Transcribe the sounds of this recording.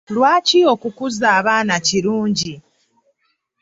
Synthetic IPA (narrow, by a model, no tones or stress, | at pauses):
lwaːcio̞kukuzaːβaːnaciɾuːɲɟi